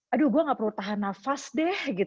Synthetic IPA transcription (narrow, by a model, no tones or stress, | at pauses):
aduɡuaŋaʔpəɾut̪aɦanafasdɛhɡit̪